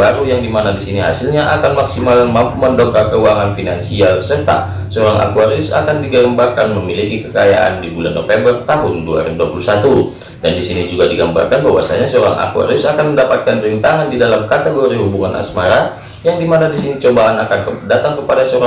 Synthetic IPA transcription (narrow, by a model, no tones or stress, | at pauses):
aɾujaŋdimanadisiniɦa̰silɲaʔakanmaksimalmampuməndɔkarkəuaŋanfinansialsərt̪a̰ | səɔɾaŋʔa̰kuaɾiʊsa̰kandiɡələmbarkanməmilikikəkajaʔa̰ndibulanːɔ̰fɛmbərt̪aɦʊndua̰ɾibduapulusat̪u | dandisinid͡ʒuɡadiɡamba̰rkanbawa̰sa̰ɲasəoɾa̰ŋʔa̰kua̰ɾiʊsakanməndapat̪̚kanpəɾint̪aɦandidalamkat̪ɛɡoɾiɦubuŋanʔa̰smaɾa | jaŋdimanadisinit͡ʃobaːnakankədat̪aŋkəpadasəoɾa